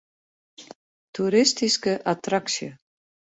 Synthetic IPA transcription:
t̪ʰuɾɪst̪iskəʔat̪ɾaksjʏ

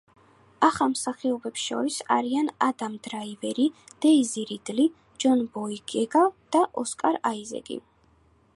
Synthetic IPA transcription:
aχamsaχiɔbɛpsʃɔ̰ɾisa̰ɾianad̪amd̪ɾaivɛɾid̪̥ɛiziɾid̪li | d͡ʒɔnbɔiɡɛɡad̪̥aʔɔskʼaɾaizɛ̰ɡḭ

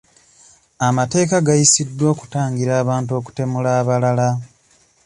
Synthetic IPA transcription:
amate̞ːkaɡajisidːwo̞ːku̥taːŋɡiɾaːβaːnt̬uo̞ːku̥te̞mulaːβalala

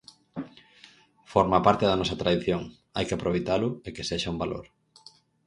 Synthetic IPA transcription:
foɾmapaɾt̪eðɐnɔsɐt̪ɾaðiθjoŋ | a̰jkeapɾoβejt̪alʊekeseʃaumbalo̰ɾ

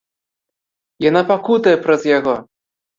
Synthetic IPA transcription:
janapakut̪ɐjɛpɾɐzjaɣɔ

